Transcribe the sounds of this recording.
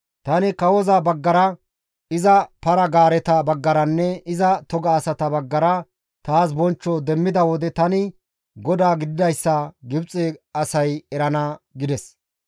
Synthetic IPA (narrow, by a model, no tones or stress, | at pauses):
t̪ɐnɪkɐwɔzabɐɡːɐɾɐ | ɪzɐpɐɾɐɡaːɾɛt̪ɐbɐɡːɐɾɐnːɛɪzɐt̪ɔɡɐːsɐt̪ɐbɐɡːɐɾɐ | t̪aːs̬bɔnt͡ʃːɔd̪ɛmːɪd̪ɐwɔd̪ɛt̪ɐnɪ | ɡɔd̪aːɡɪd̪ɪd̪ɐjsːɐɡɪbt͡sʼːeɐsɐjɛɾɐnɐɡɪd̪ɛs